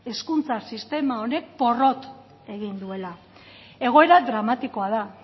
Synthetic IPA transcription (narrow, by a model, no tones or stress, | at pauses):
e̞skunt͡sasist̪e̞mao̞ne̞k̚po̞ro̞t̪ | e̞ɣind̪ue̞la | e̞ɣ̞o̞e̞ɾad̪ɾamat̪iko̞aða